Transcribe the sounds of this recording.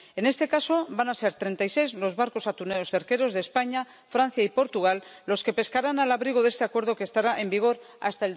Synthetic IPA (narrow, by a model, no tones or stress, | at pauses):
e̞ne̞st̪e̞kaso̞βanase̞ɾt̪ɾe̞nt̪ajse̞jzlo̞zβaɾko̞sat̪uneosθe̞ɾke̞ɾo̞zðespaɲa | fɾan̟θjaipo̞ɾt̪uɣ̞alː | o̞ske̞pe̞skaɾanalaβɾiɣ̞oðe̞st̪eakwe̞ɾð̞o̞kest̪aɾaʔe̞mbiɣ̞o̞ɾ | a̰st̪ael